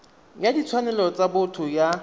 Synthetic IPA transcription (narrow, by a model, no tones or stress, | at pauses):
jadit͡sʰwanɛlɔt͡sabʊtʰʊja